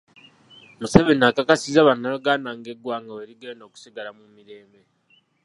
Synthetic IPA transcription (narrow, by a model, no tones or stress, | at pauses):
museβenakakasizaβanaloɡanaŋɡeɡwaːŋɡaweɾiɡeːndo̞ːku̥siɡalamumiɾe̞ːmbe